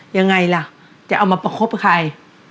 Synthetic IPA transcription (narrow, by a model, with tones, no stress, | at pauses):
ja˧ŋːa˧jla˧˩ | t͡ɕa˨˩ʔa˧wmaː˧pa˧kʰo˦˥p̚kʰa˧j